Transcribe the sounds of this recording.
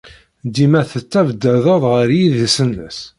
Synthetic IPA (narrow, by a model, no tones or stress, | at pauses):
d̪imæθət͡sːævd̪ːæðəðˤʁəɾjiðisənːə̰s